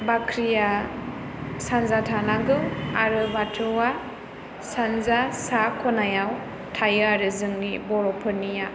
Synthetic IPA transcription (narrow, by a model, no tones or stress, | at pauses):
bakʰɾija | sanzatʰanaɡɯaɾɯbatʰɯwa | sanzasakʰɔnajaw | tʰajɯaɾɯzɯŋnibɔɾɔpʰɯnija